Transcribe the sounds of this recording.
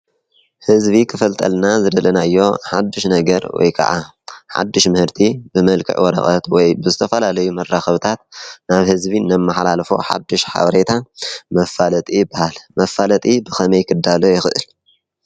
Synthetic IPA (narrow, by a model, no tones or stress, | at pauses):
hɨzbikʰɨfɐlt̪ʼɐ̰lnazɨd̪ɐlɐnaɨjːo̞ħad̪ːɨʃnɐɡɐɾwɔ̰jkʰa̰ʕa | ħa̰d̪ːɨʃmɨhɨɾt̪ʰibɨmɐlkʰɨ̰ʕwɔɾɐ̰xʼɐt̪wɔjbɨzɨt̪ʰɐfɐlalɐjumɐrːaxɐβt̪ʰat̪naβhɨzbinːɐmːaħlalfo̰ħa̰d̪ːɨʃħa̰βɐɾet̪ʰamɐfːalɐt̪ʼijɪbːahalmɐfːalɐt̪ʼibɨxɐmɐjkʰɨd̪ːalojɪxɨʔɨ̰l